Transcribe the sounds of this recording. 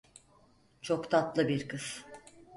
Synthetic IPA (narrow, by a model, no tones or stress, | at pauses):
t͡ʃʰo̞kt̪ʰat̪lˠɯbiɾkɯz̥